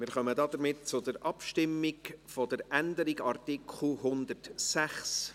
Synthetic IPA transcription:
mɪːɾχœmədɑd̪əɾmɪtt͡sʊdəɾʔɑpʃtɪmːɪɡfɔd̥əɾændəɾiɡɑrtɪkʰχl̩ɦʊnd̪əɾtsæχs

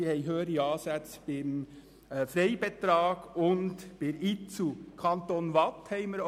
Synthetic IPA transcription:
ihɛɪɦøːəɾiɑːsæt͡sb̥ɪm | fɾɛɪbɛt̪ɾɑːɡ̥ʊntb̥ɪɾit͡sukʰɑnt̪onʋɑt̪hɛɪməɾ

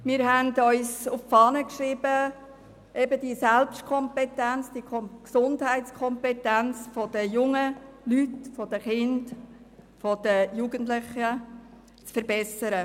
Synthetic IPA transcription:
mɪːɾɦændœʏsuffɑːnəkʃɾiːbə | ʔɛbədisɛlpʃtkʰɔmpɛtænt͡sd̥iəkʰɔksʊndhæɪtt͡skʰɔmpɛtænt͡sfɔd̥əjʊŋəlytfɔd̥əχɪnd | fɔd̥əjuɡənt̬lɪχə | t͡sfəɾbɛsəɾə

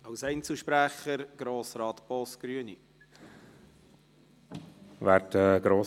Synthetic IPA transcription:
ɑwsɛɪnt͡sl̩ʃpɾæχəɾɡ̥ɾoːsɾɑːt̪pɔsɡ̥ɾyənḭ | væɾtɛɡ̥ɾoː

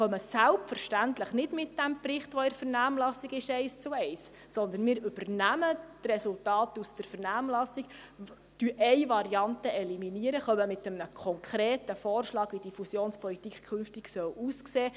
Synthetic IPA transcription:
χœməsælpfəɾʃtæntləχnɪdmɪt̚dæmprɪχtʋɔɪɾfəɾnæːmlɑsiɡɪʃɛɪst͡suɛɪsː | ɔnd̪ənmɪːɾʏbərnæmət̪rɛsultɑːtusd̥əɾfəɾnæːmlɑsik | d̥yʔɛjʋɑɾiɑntəɛliminiəɾəχœmːəmɪt̪əmnəkʰɔŋkʰɾeːtəfɔːrʃlɑːɡ̥ʋid̥ifusjoːnspʰɔlitikkʰɵnftiɡ̥sœwuːskseː

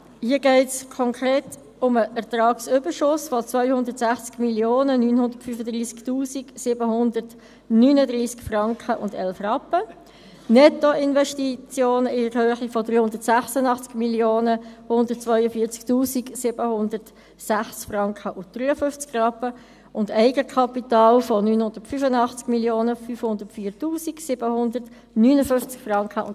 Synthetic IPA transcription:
hiəɡɛɪtskʰɔŋkʰɾeːt | ʊməʔɛɾtrɑːksʏbəʃʊsfɔt͡svœʏhʊndəɾtsæχt͡skmiljoːnənyːnhʊndətfyfədriːsktuːsiksɪbəhʊndət | nyːnədɾiːskfrɑŋkχəʔʊ̰ndɛlfrɑpːə | nɛtoɪnvɛʃtit͡sjoːnəɪəɾhøːχifɔdɾyːhʊndətsæχsənɑχt͡skmiljoːnəhʊndət̚t͡svœʏəfiːət͡sktuːsiɡsɪb̥əhʊndəɾt | sæχt͡skfrɑŋkχəʔʊnd̥ryːəfʏft͡skrɑpːə | ʊndɛɪɡəkʰɑpitɑːlfɔnyːnhʊnd̥ətfyfənɑχt͡sɡ̥miljoːnəfyːfhʊndəɾtfiːɾtuːsiksɪb̥əhʊndərt | nyːnəfʏft͡skfrɑŋkχəʊn

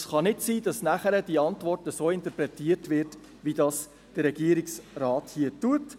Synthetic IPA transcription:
sχɑnɪtsiːdɑsnæχəɾəd̥iɑntʋɔrtəsoːɪnt̪əɾpɾɛtiəɾtʋɪːɾt | ʋidɑːs | d̥ərɾːɛɡiəɾiksrɑːthiətuət

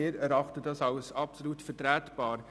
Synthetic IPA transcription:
ɪːɾɛɾɑχtədɑsɑlsɑpsɔluːtfɛɾtɾæːtb̥ɑːɾ

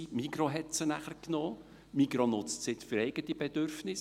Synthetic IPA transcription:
mikɾoɦɛtsənæχəɾknoː | mikɾonʊt͡stsɪtfʏɾɛɪɡ̥ət̪ib̥ɛd̥̪ørfnɪs

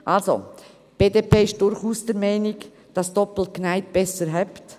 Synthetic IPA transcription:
ʔalso̰ | b̥eːdeːpʰeːɪʃd̥ʊɾχuːsd̥ɛɾmɛɪnɪɡ | d̥ɑsd̥ɔpl̩t̚knæɪtb̥ɛsəɾɦɛpt

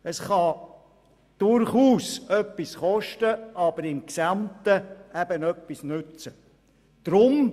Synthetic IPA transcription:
əsχɑ | d̪̥ʊɾχuːsœpːisχɔʃtəʔɑb̥əɾɪmksɑmt̪əæb̥ənœpːisnʉt͡sə | d̪̥ɾʊm

